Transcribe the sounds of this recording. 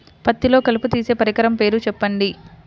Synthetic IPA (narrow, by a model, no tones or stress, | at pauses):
pɐt̪ːilo̞ːkɐliput̪iːse̞ːpɐɾikɐɾɐmpe̞ːɾut͡ʃɛpːɐɳɖi